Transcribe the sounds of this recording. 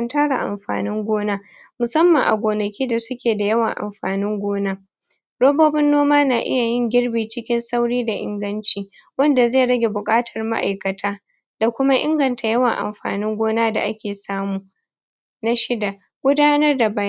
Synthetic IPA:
ɐ˦ntaː˦ɽa̰˨ʔa̰˨mɸa̰ː˨nɪ˦ŋɡʷoː˦naː˦mʊ˨sɐ˦mːɐ˨ŋʔa̰˨ɡʷoː˨nɐ˨kʲiː˦da˨sʊ˦kʲeː˨da˨jɐ˦wɐ˨ŋʔa̰˨mɸa̰ː˨nɪ˦ŋɡʷoː˦naː˦ | ɽoː˦boː˦bɪ˦nːoː˦maː˦naː˨ʔɪ̰˦ja˨jɪ˦ŋɡʲɪ˦ɽbiː˨t͡ʃɪ˦kʲɪ˦nsa˦wɽiː˦da˨ʔɪ̰˦ŋɡɐ˦nt͡ʃiː˨ | wɐ˦nda˨zeː˦˨ɽɐ˦ɡʲe˨bʊ˨kʼaː˦tʰɐ˨rma̰˦ʔa̰˨jkɐ˨tʰaː˦ | d̥a˨kʷʊ˦ma˦ʔɪ̰˦ŋɡɐ˨ntʰa˨jɐ˦wɐ˨ŋʔa̰˨mɸa̰ː˨nɪ˦ŋɡʷoː˦naː˦da̰˨ʔa˦kʲeː˨saː˦muː˨ | na˦ʃɪ˦da˨ | ɡ̥ʷʊ˦daː˦nɐ˦rda˨baː˦j

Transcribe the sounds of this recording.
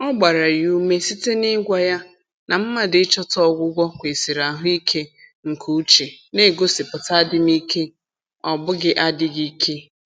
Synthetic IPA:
ɔ˦ɡ͡ba˨ɾa˨ju˦me˦si˦te˦nɪ˦ɡʷa˦ja˦ | na˨m̩˦ma˨dɪ˦t͡ʃɔ˦tɔ˦ɡʷʊ˦ɡʷɔ˦kʷe˨si˨ɾa˨ɦʊ˦i˦kʰe˦ | ŋ̩˨kʰu˦t͡ʃe˨ | ne˦˨ɡo˦sɪ˨pʊ˨ta˦dɪ˦mi˦kʰe˦ | ɔ˨bʊ˦ɡɪ˦ʔa˦dɪ˦ɡi˦kʰe˦

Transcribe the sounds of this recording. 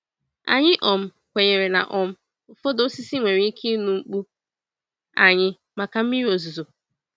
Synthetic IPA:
a̰˨ɲɪ˦ʔɔ˨m̩˦ | kʷe˨ɲe˨ɾe˨na̰˨ʔɔ˨m̩˦˨ | fo˦do˦si˦si˦ŋʷe˨ɾi˦i˦kʰe˦nu˨ŋ͡m̩˦k͡pu˦ | a̰˨ɲɪ˦ | ma˨ka˨m̩˦i˦ɾo˨zu˨zo˨

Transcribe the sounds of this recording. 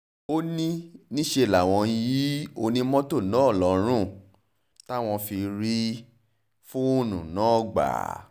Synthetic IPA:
o˦nĩ˦nĩ˦ʃe˧˨la˨w̃ɔ̃˧ji˨˦o˧nĩ˦mɔ̃˦to˦˨nã˨˦ɔ˦˨lɔ˨˦ɾ̃ũ˦˨ | ta˦w̃ɔ̃˧fi˧ɾi˦ | fũ˦o˦nũ˨nã˨˦ɔ˦˨ɡ͡ba̰˨

